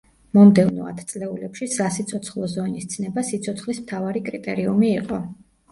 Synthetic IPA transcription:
mɔmd̪ɛvnɔ̰a̰t̪ʰt̪sʼlɛulɛpʃisasit̪sʰɔt̪sʰχlˠɔzɔnist̪sʰnɛbasit̪sʰɔt̪sʰχlismt̪ʰavaɾikʼɾit̪ʼɛɾiumiːqʼɔ

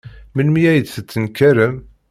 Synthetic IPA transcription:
mənmijæjəd̪θət͡sːənkæɾəm

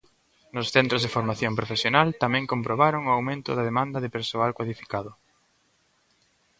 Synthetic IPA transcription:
nʊsθɛnt̪ɾozðeɪfoɾmaθjompɾofesjonalt̪amɛ̃ŋkompɾoβaɾoŋʊawmẽnt̪ʊðɐðemãnd̪ɐðɪpeɾsoalkwaðifi̥kaðʊ

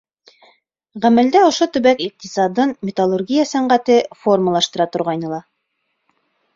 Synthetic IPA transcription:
ʁæmæld̪æŏʃot̪ɵ̆βækiq̚t̪isɑd̪ɤnmʲɪt̪alˠurɡʲijəsæɴɢæt̪ɘfo̞rməlˠɑʃt̪ɤ̆ɾɑt̪ŏɾʁɑjnɤ̆lˠɑ

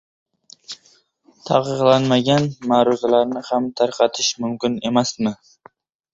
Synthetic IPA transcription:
t̪ʰa̰qɨqlˠanmaɡʲanmaːɾuzalaɾnɪhamt̪ʰaɾqʰɑt̪ʰɪʃmʊmkʲɪne̞masmɪ

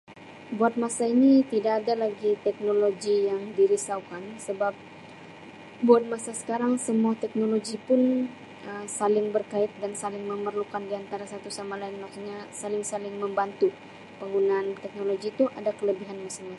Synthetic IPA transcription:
buat̪̚masainit̪idaːdalaɡit̪ɛk̚noloɡijaŋdiɾisaukansəbap̚ | buat̪̚masasə̥kaɾaŋsəmuat̪ɛk̚noloɡipʊn | əmsalɪŋbərkaɪt̪̚dansalɪŋməmərlukandiant̪aɾasat̪usamalaɪnɔkɲasalɪŋsalɪŋməmbant̪u | pəŋɡunant̪ɛk̚noloɡiːt̪uʔadakələbiɦanmasiŋmas

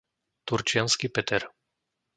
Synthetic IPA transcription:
t̪uɾt͡ʃɪanskipɛt̪ɛɾ

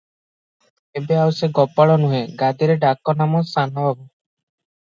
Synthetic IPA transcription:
ebeawseɡɔpaɭɔnuɦẽɡad̪iɾeɖakɔnamɔsanɔbʱabɔ

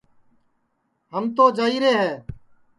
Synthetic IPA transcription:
ɦəmt̪oːd͡ʒaːiːɾeːɦɛː

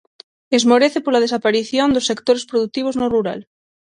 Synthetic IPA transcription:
ezmoɾeθepoɾlað̞es̬apaɾiθjond̪osːekt̪oɾespɾoðuk̚t̪iβ̞oznoruɾa̰l

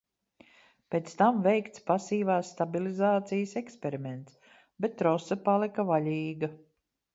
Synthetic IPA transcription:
peːt̪st̪amvɛjkt̪spasiːvaːsːt̪abilˠizaːt̪sijəsɛkspʲɛɾimɛnt̪s | bɛt̪ːɾɔsɐpalˠikɐvaʎʲiːɡɐ

